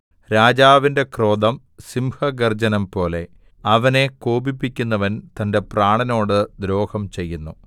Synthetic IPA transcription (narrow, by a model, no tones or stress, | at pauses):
ɾaːd͡ʑaːʋinde̞kro̞ːd̪ɐm | simhɐɡɐrd͡ʑɐnɐmpo̞ːle̞ | ɐʋɐne̞koːbipːikʲːunːɐʋɐnt̪ɐnde̞praːɳɐno̞ːɽɨd̪ɾo̞ːhɐmt͡ɕe̞jːunːu